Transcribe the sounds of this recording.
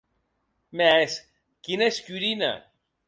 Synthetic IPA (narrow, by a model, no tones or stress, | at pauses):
mes | kinescʲyɾinɐ̰